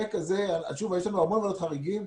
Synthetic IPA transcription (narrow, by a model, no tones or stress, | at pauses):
ekaze̞ala̰lʃuvajeʃlanuaʁmonlalot̪χaʁiɡim